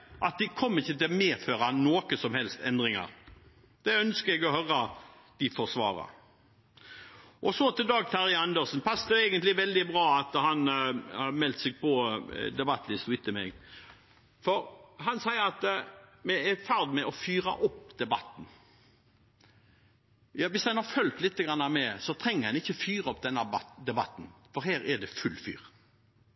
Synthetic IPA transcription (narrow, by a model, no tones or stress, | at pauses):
ʔɑt̪̚d̪ɪkʰɔmːəɾɪçːət̪ɪmeːføːɾɑnoːkəsɔmhɛlst̪ɛnd̪ɾɪŋɑ̰ɾ | d̪̥ɛœnskəɾɛɡɔhœɾɑ | d̪̥ɪfɔʁsʋɑ̰ːɾɑ̰ | ʔɔsɔt̪ɪld̪ɑːɡ̚t̪ʰæɾɪɑnd̪əsnpʰɑsːd̪ɛɛɡənt̪lɪʋɛld̪ɪbɾɑːɑt̪hɑnhɑmɛlt̪sɪɡ̚pɔd̪ɛbɑt̪ːn̩ɪst̪ʊɪt̪ːəmɛ̰ɡ | fɔɾɦɑnsæɪəɑt̪mɛɛfæɾd̪mɛʔɔfyːɾɑ̰ʔɔpːd̪̥ɛbɑt̪ːn̩ | jɑːʋɪsd̪ɛnhɑɾfœlt̪lɪt̪ːəɡɾɑnːɑmɛsɔt̪ʰɾɛŋːəɾhɑnɪçːəfyːʁɑɔp̚d̪ɛnːɑbɑd̪ɛbɑt̪ːn̩fɔɾɦæːɾɛd̪ɛfʉlːfy̰ːɾ